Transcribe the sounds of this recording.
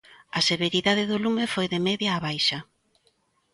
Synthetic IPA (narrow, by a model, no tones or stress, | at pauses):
ɐseβeɾiðaðɪðʊlumɪfojðemeðjaːβajʃɐ